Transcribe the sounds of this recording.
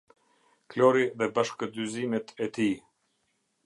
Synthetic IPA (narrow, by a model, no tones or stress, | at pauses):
klɔɾiðɛbaʃkəd̪yzimɛt̪ʰɛt̪i